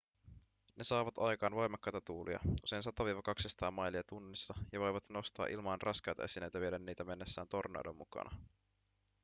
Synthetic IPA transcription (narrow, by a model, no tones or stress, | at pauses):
ne̞sɑːʋɑt̪ɑjkɑːnʋojmɑkːɑjt̪ɑt̪uːlṵjɑ̰ʔuse̞jnsɑt̪oʋiːʋɑkɑksest̪ɑːmːɑjliɑt̪unːisːɑjɑʋo̞jʋɑt̪no̞st̪ɑ̰ːʔilmɑːnrʔɑskɑjt̪ɑ̰esinejt̪æʋiedænːiːt̪æme̞nːe̞sːæːnt̪o̞rnḛwdo̰mːṵkɑ̰nʔɑ̰